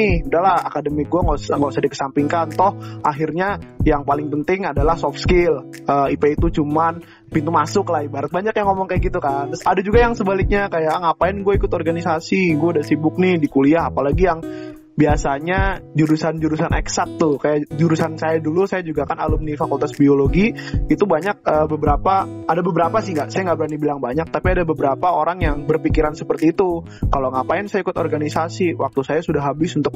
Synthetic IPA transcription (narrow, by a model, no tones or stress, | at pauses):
ɪhudahlaha̰kadəmiɡuaŋɡasŋɡasadikə̥sampɪŋkant̪ɔhʔaɦɪrɲajaŋpalɪŋpənt̪ɪŋadalahsɔfskɪləːipeit̪ut͡ʃuman | pint̪umasʊklaibaɾət̪̚baɲakjaŋomɔŋkajaɡit̪ukant̪ʊsadad͡ʒuɡajaŋsəbalɪk̚ɲakajaŋapaɪnɡuaikʊt̪ɔrɡanisasiɡuadasibʊk̚nɪhdikuliaɦapalaɡijaŋ | biasaɲad͡ʒuɾusand͡ʒuɾusanɛksat̪ːʊhkajaʔd͡ʒuɾusansajadulusajad͡ʒuɡakana̰lʊmdifakult̪asbioloɡiit̪ubaɲak̚əbəbəɾapaːdabəbəɾapasɪhŋɡaʔsajaŋɡabəɾanibilaŋbaɲak̚t̪apiadabəbəɾapaoɾaŋjaŋbərpikiɾansə̥pərt̪iːt̪u | kaloŋapaɪnsajaikʊt̪orɡanisasiwak̚t̪usajasudaɦabɪsunt̪ʊk̚